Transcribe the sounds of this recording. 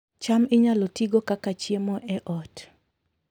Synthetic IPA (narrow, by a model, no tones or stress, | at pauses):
t͡ʃamɪɲalɔtiɡokakat͡ʃjemɔʔɛʔɔt